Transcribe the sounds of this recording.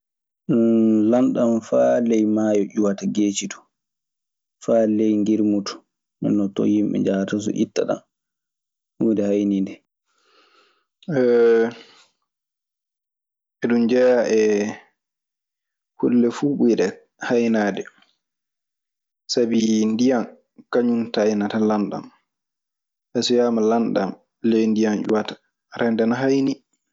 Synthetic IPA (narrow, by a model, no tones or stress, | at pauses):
lanɗanfalɛjmaːjɔʔuwataɡeːt͡ʃitɔ̥ | faːlɛjŋɡiɾmutɔ̥ | nɛ̰nːɔtɔ̰jimɓɛ̰ɲd͡ʒatas̬ɔ̰ʔḭtːa̰ɗa̰n | udɛhajnindɛ | ɛ | ɛɗumd͡ʒɛjaʔɛ | hulːɛfuɓujɗɛ | hajnaːdɛ | sabindijan | kaɲuntajnatalanɗa̰m | ʔɛsɔjaːmalanɗa̰m | lejndijand͡ʒṵwatḁ | ɾʔɛndɛnaɦajni